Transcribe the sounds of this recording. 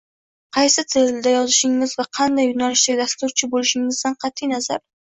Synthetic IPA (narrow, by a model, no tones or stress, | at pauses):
qʰɑjsɪt̪ʰeɾɪld̪ajɒzɪʃɪŋːɪzvaqʰɑnd̪ajːʊnalɪʃt̪aɡʲd̪ast̪ʊɾt͡ʃʰɪbolɪʃɪŋːɪzd̪anqʰɑt̪ʰːɪjnaza̰ɾ